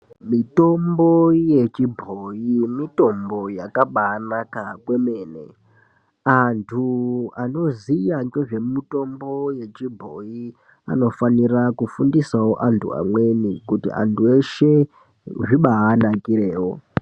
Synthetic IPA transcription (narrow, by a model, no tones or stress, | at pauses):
mito̞mbo̞je̞t͡ʃibʱojimito̞mbo̞jakaɓaːnakakwe̞me̞ːnḛ | antʰuano̞zijaŋɡoʐe̞mito̞mbo̞je̞t͡ʃibʱo̞̰i | a̰no̞fanirakufundisawoʔantʰṵa̰mwe̞nikutḭa̰ntue̞ʃe̞ | ʐiɓaːnakiɾe̞ːwo̰